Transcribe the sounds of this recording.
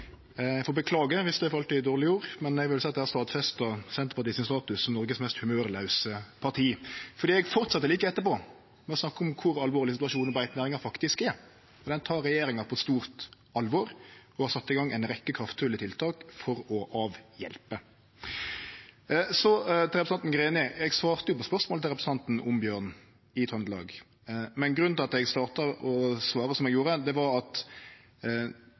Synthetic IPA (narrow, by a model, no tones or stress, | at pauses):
ɛfɔːɾbəkʰlɑːɡəʋɪsd̪ɛfɔɾɑlt̪iːɪd̪oːɾlɪoːɾmɛnɛɡʋɪlsæɪɑt̪d̪æɾst̪ɑːt̪sfɛst̪əsɛnt̪əɾpɑʁt̪iːsɪmst̪ɑːt̪ʉssɔmnɔɾɡəsmɛst̪hʉmøːɾlɑʉsəpʰɑɾt̪ʰiːfɔɾd̪iːɛɡfɔɾt̪sɑt̪ːəliːkəɛt̪ːəɾpɔ | mɛɔsnɑkːɔmkʰʊɾɑlʋoːɾlɪəs̬ɪt̪ʉɑʃuːnɔbæɪt̪næːɾɪŋɑɾfɑkt̪ɪskɛ | ɔɾd̪ɛnt̪ʰɑːɾːɛjeːɾɪŋɑpʰɔɛt̪st̪uːɾt̪ | ɑlʋɔːɾɔhɑsɑt̪ːɪɡɑŋːæɪnɾɛkːəkʰɾɑft̪fʉːlɪt̪ʰɪlt̪ʰɑːkfɔɾɔʔɑːʋjɛ̰lpə | sɔt̪ɾɛpɾst̪ɑnt̪n̩ɡɾeːnɪɛɡsʋɑːɾt̪əjʊpɔspœʁsmoːlɪlɾɛpɾəsəɑnt̪n̩ɔmbjøːʁn | ɪt̪ʰɔnd̪lɑ̰ːɡ | mɛnɡɾʉnnɪɑt̪ɛɡst̪ɑːʁt̪ɑɔsʋɑːɾəsɔmɛɡjuːɾəd̪ɛʋɑɾɑt̪